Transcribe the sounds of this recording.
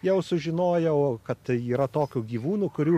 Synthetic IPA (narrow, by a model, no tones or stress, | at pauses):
jɛʊsʊʒʲɪnoːjɛʊkɐt̪iːɾɐt̪oːkʲuːɡʲiːʋuːnuːkʊɾʲuː